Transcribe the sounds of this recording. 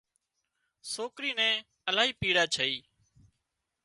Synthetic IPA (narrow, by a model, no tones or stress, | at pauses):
soːkɾiːnɛ̃ː | əlaːɦiːpiːɽaːt͡ʃʰəiː